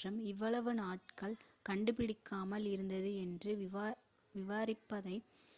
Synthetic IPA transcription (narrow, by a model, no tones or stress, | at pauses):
rɐmɪʋːɐɭɐʋɯnaːʈ̚kɐɭ | kɐɳɖɯpɪɽɪkːaːmɐlɪɾɯnd̪ɐðɯɛndrɯ | ʋɪʋaːɾɪpːɐðɐɪ